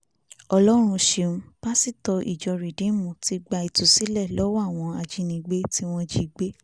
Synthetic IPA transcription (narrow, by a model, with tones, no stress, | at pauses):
ɔ˧lɔ˦ɾ̃ũ˧ʃe˧˨ũ˧˦b̥a˦si˦˨tɔ˧ʔḭ˨d͡ʒɔ˨˧ɾi˨dẽ˨˦mũ˨ti˧˦ɡ͡ba˧i˧˨tu˨si˦lɛ˦˨lɔ˦wa˦˨w̃ɔ̃˧a˧d͡ʒi˨˦nĩ˧ɡ͡be˦ti˦w̃ɔ̃˦˧d͡ʒi˦˨ɡ͡be˦